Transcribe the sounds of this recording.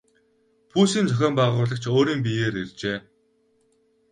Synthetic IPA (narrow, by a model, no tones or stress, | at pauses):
pʰuːsiːnt͡sʰœxʲœːmpaʁʊːɮə̆kt͡ɕʰoːɾiːmp̬ijeːɾert͡ɕeː